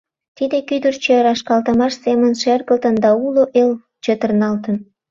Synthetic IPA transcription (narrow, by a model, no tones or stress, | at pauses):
t̪id̪ekyd̪ərt͡ɕeɾɑʃkɑlt̪əmɑʃsemənʃerɣəlt̪ənd̪ɑuloʔel | t͡ɕet̪ərnɑlt̪ən